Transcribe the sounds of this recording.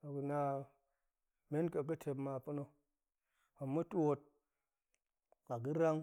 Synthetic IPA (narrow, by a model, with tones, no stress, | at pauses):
a˨ɡu˨na˨ | me˦nka˨k̬ə˦tʰe˨bma˨pu˦no˦ | a˨mu˦tu˦wo˦t̚ | a˨ɡi˦ɾa˦ŋ